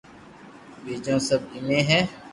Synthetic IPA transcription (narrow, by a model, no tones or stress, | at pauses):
beːd͡ʒãːsəbɪmẽːɦɛː